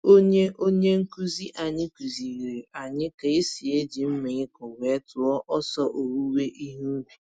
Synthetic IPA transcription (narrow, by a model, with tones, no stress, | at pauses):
o˦ɲe˦ʔo˦ɲe˦ŋ̩˦ku˦zi˦ʔa˨ɲɪ˦ku˨zi˨ɣɾe˨a˨ɲɪ˦ka˨ɪ˦si˨e˦d͡ʒi˨m̩˦me˨ɲɪ˦kɔ˨wʷe˨˦tʊ˨ɔ˦ʔɔ˦sɔ˦ʔo˨ɾu˦we˦ʔi˦ɦu˦ɡʷi˨